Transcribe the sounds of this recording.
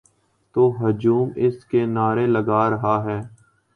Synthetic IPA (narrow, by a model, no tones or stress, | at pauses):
t̪oːɦʊd͡ʒuːmɪskeːnaːɾeləɡaːɾəɦaɦɛː